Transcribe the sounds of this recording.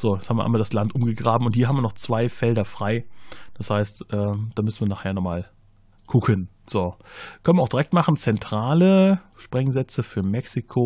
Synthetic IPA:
z̥oːjɛt͡shabmiːɐʔa̰ɪnviːɐdaslantʔʊmɡəɡʁaːbm̩ʊnthiɐɦamviːɐnɔχt͡sv̥aɪfɛldɐfʁ̥aɪd̥ashaɪstʔɛːd̥aːmʏsn̩viɐnaːχheːɐnɔχmaːl | ɡ̥ʊkʰən | z̥oːkʰœnənvɐaʊxd̥iʁɛk̚tmaχn̩t͡sɛntʁ̥aːlə | ʃpʁ̥ɛŋzɛt͡səfyːɐmɛksikʰo

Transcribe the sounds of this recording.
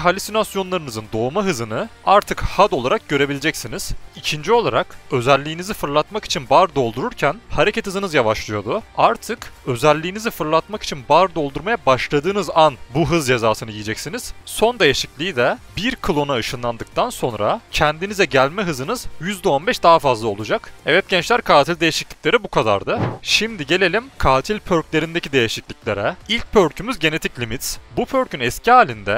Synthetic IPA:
ɦalʲisinasjo̞nlˠaɾɯnɯzɯnd̪o̞ːmaɦɯzɯnɯaɾt̪ʰɯkhad̪o̞lˠaɾak̚ɟø̞ɾe̞bilʲid͡ʒɛcsiniz̥icʰind͡ʒio̞lˠaɾakø̞zælʲːijːnizifɯɾlˠat̪maki̥t͡ʃʰinbaɾd̪o̞lˠd̪uɾuɾcʰænhaɾe̞cʰɛt̪hɯzɯnɯzjavaʃlˠɯjo̞d̪uaɾt̪ʰɯkø̞zælʲːiːnizifɯɾlˠat̪maki̥t͡ʃʰinbaɾd̪o̞lˠd̪uɾmajabaʃlˠad̪ɯːnɯzanbuɦɯzd͡ʒe̞zaːsɯnɯjijːd͡ʒɛcsiniz̥so̞nd̪e̞jeʃiclʲid̪ɛbiɾkʰɯlˠo̞naɯʃɯnlˠand̪ɯk̚t̪ʰanso̞nɾa̰cʰɛnd̪inizɛɟælʲmɛɦɯzɯnɯzjyzd̪ɛonbɛʃd̪aɦafazlˠao̞lˠud͡ʒakɛvɛt̪̚ɟ̥ɛnt͡ʃlʲæɾkʰaːt̪ʰilʲd̪ejeʃiclʲic̚lʲe̞ɾibukʰad̪a̰ɾd̪ɯʃimd̪iɟe̞lʲe̞lʲimkʰaːt̪ʰilʲpʰøɾclʲe̞ɾind̪ecid̪e̞jeʃiclʲiclʲe̞ɾɛilʲc̚pʰøɾcʰymyzɟe̞ne̞t̪ʰiclʲimit̪sbupʰø̞ɾcʰynɛsciaːlʲind̪ɛ

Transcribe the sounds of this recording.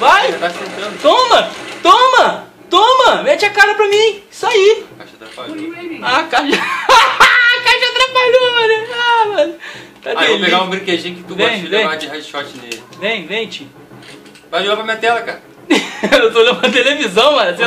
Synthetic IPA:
vajʒat̪asẽt̪ɾɐ̃d̪ʊt̪õmɐt̪õmɐ | t̪õmɐmɛt͡ʃɪɐkaɾɐpɾɐmĩ | saikaʃɐt̪ɾapaloakaʃ | kaʃɐt̪ɾapaloɐnɐamɐnt̪aaopeɡaũbɾĩked͡ʒĩjʊkɪt̪uvẽj̃ĩj̃ad͡ʒɪɦad͡ʒʃɔt͡ʃɪnelɪvẽj̃vẽj̃t͡ʃi | vajʒoɡapɾɐmĩɲɐt̪ɛlɐkaɾɐ | ewt̪olɐ̃nũm̃t̪elevizɐ̃w̃majɐse

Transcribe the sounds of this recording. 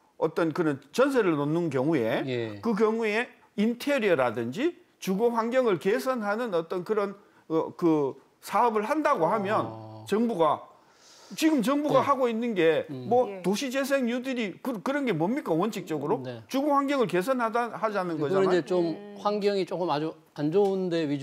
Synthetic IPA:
ʌt͈ʌnkɯɾʌnt͡ɕʌnsʰeɾɯɭnonːɯnk̬jʌŋue̞kɯkjʌŋue̞ | intʰeɾiʌɾadɯnd͡ʑi | t͡ɕuɡoɸwaŋɡjʌŋɯɭkesʰʌnɦanɯnʌt͈ʌnkɯɾʌn | ʌkɯ | sʰaʌbɯɭhandaɡohamjʌnt͡ɕʌŋbuɡa | t͡ɕiɡɯmt͡ɕʌŋbuɡahaɡoinːɯnɡe̞mwʌtoɕʰid͡ʑe̞s̬ʰeŋjudɯɾikɯkɯɾʌnɡe̞mʌmːik͈awʌnɕʰik̚t͡ɕ͈ʌɡɯɾot͡ɕuɡohɸwaŋɡjʌŋɯɭke̞sʰʌnɦadahad͡ʑanɯnɡʌd͡ʑanaet͡ɕomɸwaŋɡjʌŋit͡ɕok͈ɯmad͡ʑu | and͡ʑounde̞ɥi

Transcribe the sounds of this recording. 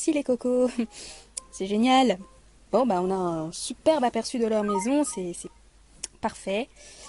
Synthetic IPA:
ɛsilekɔko | sɛʒenjal | b̥ɔ̃baɔ̃naɛ̃sypɛʁbapɛʁsyd̪əlœʁmɛzɔ̃sɛsɛ | paʁfɛ

